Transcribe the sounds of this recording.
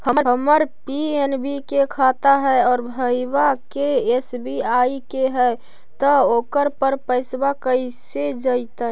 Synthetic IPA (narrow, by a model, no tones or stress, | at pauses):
həməɾɦəməɾpienbikekʰaːt̪aɦɛɔːɾbʱəibakeesbiaikeɦɛ | t̪ɔoːkəɾpəɾpəɪsbakəised͡ʒəɪt̪a